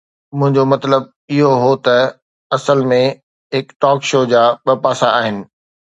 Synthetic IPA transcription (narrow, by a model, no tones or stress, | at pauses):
mʊ̃ɦɪ̃ɲd͡ʑomɐt̪ləb̚ | ɪɦoɦot̪ɐ | ɐsəlmẽ | ɦɪkʈɔːkʃoːd͡ʑaːɓɐpaːsaaːɦɪnɪ̆